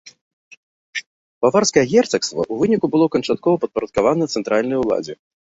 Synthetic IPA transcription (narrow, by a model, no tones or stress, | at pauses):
b̥avarskɐjɐɣʲɛrt̪sɐkst̪vɐ̰ʔuvɨnʲikubɨlˠɔkɐnt͡ʂat̪̚kɔvɐpɐt̪̚pɐɾɐt̪̚kavanɐt̪sɛnt̪ɾalʲnɐjulˠa̰d͡zʲɛ